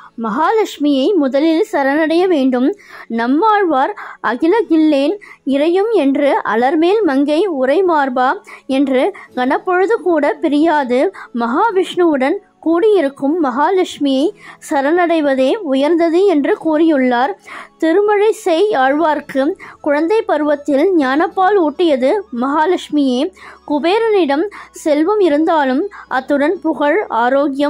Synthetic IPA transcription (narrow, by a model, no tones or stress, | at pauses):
mɐɦaːlɐkʂmɪjɐɪmʊðɐlɪlsɐɾɐnɐɽɐjɐʋeːɳɖɯmnɐmːaːɻʋaːɾʔɐɣɪlɐɡɪlːeːnɪɾɐjɯmɛndrɯʔɐ̰lɐɾmeːlmɐŋɡɐɪʊɾɐɪmaːɾbaːɛndrɯɡɐɳɐpːɔɻɯðɯkuːɽɐpɪɾɪjaːðɯmɐɦaːʋɪʂɳɯʋɯɽɐn | kuːɽɪjɪɾɯkːɯmːɐɦaːlɐkʂmɪjɐɪsɐɾɐnɐɽɐɪʋɐðeːʊjɐɾnd̪ɐðɯɛndrɯkuːrɪjɯɭːaːɾt̪ɪɾɯmɐɻɐɪsɛɪaːɻʋaːɾkɯkʊɻɐnd̪ɐɪpːɐɾɯʋɐt̪ːɪlɲaːnɐpːaːluːʈːɪjɐðɯmɐɦaːlɐkʂmɪjeːkʊbeːɾɐnɪɽɐmsɛlʋɐmɪɾɯnd̪aːlɯmʔɐt̪ːɯɽɐnpʊɣɐɻaːɾoːɡjɐm